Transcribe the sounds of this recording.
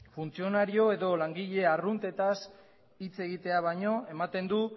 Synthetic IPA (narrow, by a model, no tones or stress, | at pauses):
funt͡sio̞naɾio̞e̞ðo̞laŋɡiʎe̞arunt̪e̞t̪as | it͡se̞ɣit̪e̞aβ̞ajɲo̞e̞mat̪e̞nd̪u